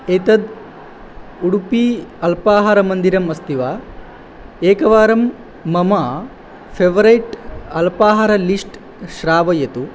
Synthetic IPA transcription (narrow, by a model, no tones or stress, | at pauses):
et̪ɐd̪ | uɽupiɐlpaːɦaɾɐmɐnd̪iɾɐmɐst̪iʋaː | eːkɐʋaːɾɐmː | ɐmaː | pʰeʋɐɾɐjʈɐlpaːɦaɾɐlisʈ | ʃɾaːʋɐjɐt̪u